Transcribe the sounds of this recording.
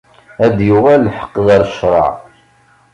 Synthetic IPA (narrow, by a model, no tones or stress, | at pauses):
æd̪jʊʁælːħə̥qːðɑɾˤʃɾˤɑ̰ʕ